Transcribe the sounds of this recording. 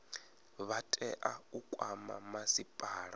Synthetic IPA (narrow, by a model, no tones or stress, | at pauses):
βatʼɛʔaukʼwama̰masipʼaːɺa